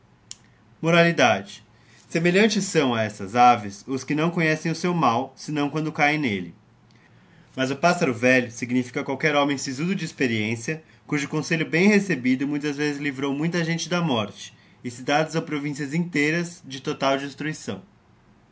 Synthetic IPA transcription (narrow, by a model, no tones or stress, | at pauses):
moɾalid̪ad͡ʒɪ | semeʎɐ̃nt͡ʃɪsɐ̃w̃ɐɛst̪ɐzavɪsʊskɪnɐ̃w̃kõɲɛsẽj̃ʊsewmawsɪnɐ̃w̃kwɐ̃nd̪ʊkajẽj̃nelɪ | mɐzʊpasaɾʊvɛʎʊsiɡnifi̥kɐkwawkɛɾõmẽj̃sizud̪ʊd͡ʒɪːspeɾiẽsiɐ | kuʒʊkõseʎʊbẽj̃hesebid̪ʊmũj̃t̪ɐzvezɪzlivɾowmũj̃t̪ɐʒẽnt͡ʃɪd̪ɐmɔɾt͡ʃɪ̥ | ɪsɪd̪ad̪ʊzawpɾovĩsiɐzĩt̪ejɾɐzd͡ʒɪt̪ot̪awd͡ʒist̪ɾuisɐ̰̃w̃